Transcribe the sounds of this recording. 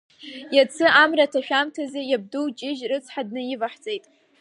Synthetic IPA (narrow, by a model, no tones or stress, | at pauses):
jɛt͡sʰɨʔaːmrɐtʰɐʃᶣʷaːmtʰɐzɨjɛb̚dɨwt͡ʃʼɪʒrɨt͡sʰʼħad̚nɨjɪvɐħt͡sʼejtʼ